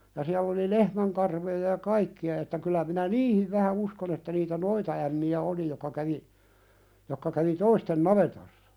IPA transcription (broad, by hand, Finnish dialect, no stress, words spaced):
jɑ siælː oli lehmæŋkɑrʋojɑ jɑ kɑikːiɑ etːæ kylːæ minæ niːhiʋ ʋæhæ uskon etːæ niːtæ noitɑæmːiæ oli jokːɑ kæʋi jokːɑ kæʋi toisten nɑʋetosːɑ